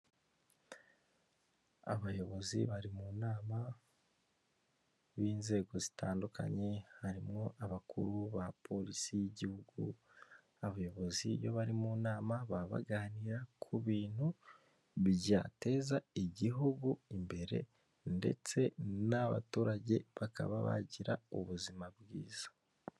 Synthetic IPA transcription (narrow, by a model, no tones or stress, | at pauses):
a̰βajo̞βo̞zḭβaɾimunaːma | βiːnze̞ːɡo̞zitaːndukʰa̰ɲe̞haɾimŋo̞ʔaβakʰṵɾuβapʰo̞ɾisijiɟihuɡṵ | aβajo̞βo̞zijo̞̰βaɾimunaːmaβaβa̰ɡaːniɾakʰuβiːn̥hu | βiɟate̞zaiɟiɦuɡuimbe̞ɾe̞̰ | nde̞̰t͡se̞naβa̰tuːɾaɟe̞̰βaka̰βa̰βa̰ɟiɾauβuzimabɡiːz̥ḁ